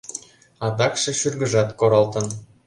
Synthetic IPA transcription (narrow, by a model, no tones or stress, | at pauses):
ɑd̪ɑkʃɤ̆ʃyrɡə̆ʒɑt̪koɾɑlˠt̪ɤ̆n